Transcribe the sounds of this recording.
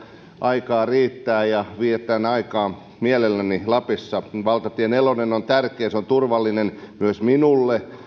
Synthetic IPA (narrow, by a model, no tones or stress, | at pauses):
ʔɑikɑːriːt̪ːæːjɑʋiet̪ːˑænɑikɑː | miælelːænilɑpisːɑʋɑlt̪ɑt̪ienelonenont̪ærkeːseont̪urʋɑlːinenmyøsminulːe